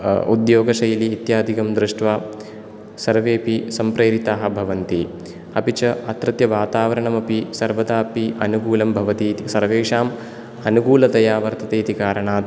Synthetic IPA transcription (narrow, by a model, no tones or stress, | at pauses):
ṵd̪joːɡɐʃɐjliːt̪jaːd̪ʱikɐmd̪ɾuʂʈʋaː | sɐɾʋeːpisɐmpɾeːɾit̪aːɦɐ̆bʱɐʋɐnt̪i | ɐpit͡ʃɐɐt̪ɾɐt̪jɐʋaːt̪aːʋɐɾɐɳɐmɐpisɐɾʋɐd̪aːpiʔɐnukuːlɐmbʱɐʋɐt̪iːt̪isɐɾʋeːkʂaːm | ɐnukuːlɐt̪ɐjaːʋɐɾt̪ʰɐt̪eːt̪ikaːɾɐɳaː